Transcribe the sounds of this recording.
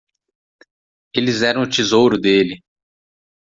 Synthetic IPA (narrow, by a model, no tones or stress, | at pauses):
elɪzɛɾɐ̃w̃ʊt͡ʃizowɾʊd̪elɪ